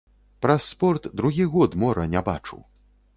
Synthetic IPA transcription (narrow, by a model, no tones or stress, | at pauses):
pɾɐsːpɔrt̪d̪ɾuɣʲiɣɔt̪mɔɾɐnʲɛba̰t͡ʂṵw